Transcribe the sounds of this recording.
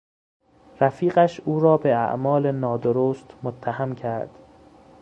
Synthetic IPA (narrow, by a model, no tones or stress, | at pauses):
ræfiːɢæʃuːɾɒːbeæ̰ʔmɒːlenɒːd̪oɾoːst̪mot̪ʰːæhæmcʰæɾd̪̥